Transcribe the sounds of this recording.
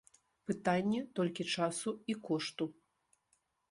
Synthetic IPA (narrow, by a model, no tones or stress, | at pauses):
pɨt̪anʲːɛt̪ɔlʲkʲit͡ʂasuikɔʂt̪u